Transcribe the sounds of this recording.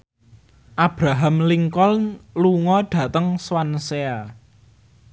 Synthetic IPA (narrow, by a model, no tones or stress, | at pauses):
ʔab̥ɾaɦamliŋkɔlluŋɔɖ̥ä̤t̪əŋswansea